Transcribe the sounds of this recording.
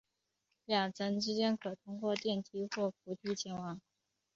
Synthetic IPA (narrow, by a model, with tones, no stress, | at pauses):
ljɑ˨˩ŋt͡sʰə˧˥nʈ͡ʂɻ̩˥t͡ɕjɛ˥nkʰɤ˨˩t̪ʰʊ˥ŋkwɔ˥˧t̪jɛ˥˩nt̪ʰi˧˥xwɔ˥˩fu˧˥t̪ʰi˧˥t͡ɕʰjɛ˧˥nwɑ˧˥ŋ